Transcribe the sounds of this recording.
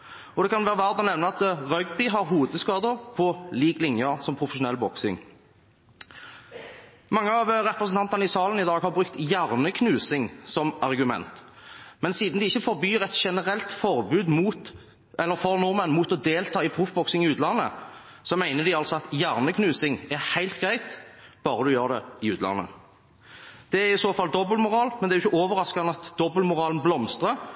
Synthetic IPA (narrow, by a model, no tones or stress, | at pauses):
ɔd̪ɛkʰɑnʋæːʁəʋæʁd̪ɑnɛʋnəɑt̪ʁœɡbɪɦɑɾɦuːd̪əskɑːd̪əɾpʰɔliːɡlɪŋjəʁsɔmpʰʁʊfəʃʊnɛlbɔksɪ̰ŋ | mɑŋːəɑʋɾɛpɾəsn̩t̪ɑnt̪ən̩ɪsɑːlənɪd̪ɑːɡhɑɾbʁʉkt̪jæʁnəkʰnʉːsɪŋsɔmɑʁɡʉmɛ̰nt̪ | mɛnsiːd̪nd̪ɪɪçːəfɔɾbyːɾɛt̪ʃɛnəʁɛlt̪fɔʁbʉːd̪muːt̪ | ɛlːəɾfɔɾnʊmɛnmuːt̪ɔd̪eːlt̪ʰɑːɪpʰɾʊfbɔksɪŋɪʉːt̪lɑnːə̰ | sɔmæɪnəd̪ɪɑlsɔɑt̪jæʁnəkʰnʉːsɪŋæɾhæɪlt̪ɡɾæɪt̪b̥ɑːɾəd̪ʉjøːʁd̪ɛɪʉːt̪lɑ̰nːə̰ | d̪̥ɛæɾɪsoːfɑld̪ɔblmʊʁɑːlmɛnd̪ɛæɾjʊçəʔoːʋəɾɑskɑnɑt̪d̪ɔbəlmʊʁɑːlnblɔmst̪ʁə